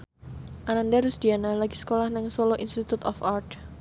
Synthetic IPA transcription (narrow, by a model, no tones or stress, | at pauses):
ʔanandaɾusd̪̥ianalaɡisə̥kolahnɪŋsɔloʔinst̪it̪ut̪ɔfart̪